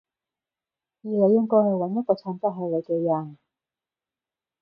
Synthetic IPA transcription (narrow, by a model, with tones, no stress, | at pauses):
jiː˨˧le˨˧jːɪ˥ŋkɔː˥jhɐ˨jwɐ˨˧˥njɐ˥t̚kɔː˧t͡ʃʰɔː˧nt͡sa˥ɦɐ˨˧˩le˨˧kɛ˧jɐ˨˩n